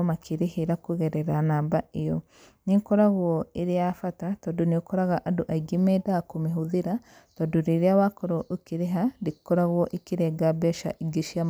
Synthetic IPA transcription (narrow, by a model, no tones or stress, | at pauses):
makʰiɾihiɾakuɣɛɾɛɾanaːbaijɔ | nikɔɾaɣwɔiɾiafatatɔduniokɔɾaɣaʔaduʔaiɡimɛdakumiɦuðiɾa | tɔduɾiɾiawakɔɾoʔukiɾeɦaɾikɔɾaɣwɔʔikiɾɛɡabɛʃa̰ʔiɡiʃia